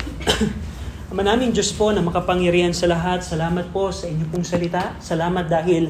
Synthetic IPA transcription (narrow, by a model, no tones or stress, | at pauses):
ʔɐmɐnaːmɪŋd͡ʒo̞spo̞nɐmɐkɐpɐŋjɐɾiːhɐnsɐlɐɦat̪̚sɐlaːmɐt̪̚po̞sɐʔɪɲːopoŋsɐlɪt̪asɐlaːmɐt̪̚d̪aːɦɪl